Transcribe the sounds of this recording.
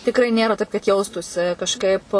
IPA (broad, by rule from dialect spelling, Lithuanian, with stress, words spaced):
tʲɪkˈrɐɪ ˈnʲeːrɐ tɐɪp kɐt ˈjɛʊstuːsʲɪ kɐʃˈkɐɪp